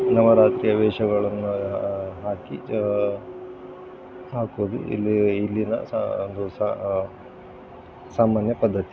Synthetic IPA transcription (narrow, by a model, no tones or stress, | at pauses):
nɐʋɐɾaːt̪ɾiːjɐʋɛːʃɐɡɐɭɐnːuɦaːki | saːkod̪ṵḭlːiilːinɐond̪usa | saːmaːnjɐpɐd̪ːɐt̪i̥